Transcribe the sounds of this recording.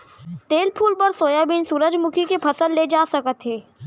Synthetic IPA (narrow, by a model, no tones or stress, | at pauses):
t̪eːlpʰuːlpɐɾsoːjabiːnsuːɾəd͡ʒmʊkʰikepʰɐsəlːed͡ʒaːsəkət̪ɦeː